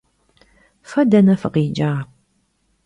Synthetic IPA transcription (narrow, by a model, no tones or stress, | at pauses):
fɐdɐnɐfɐqiːd͡ʒaː